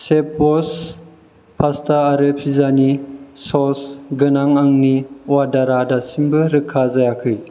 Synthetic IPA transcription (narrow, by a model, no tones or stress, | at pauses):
sep̚bɔs | pʰastʰaːɾɯpʰizanisɔsɡɯnaŋaŋniwadaɾadasimbɯɾɯkʰːazajakʰɯj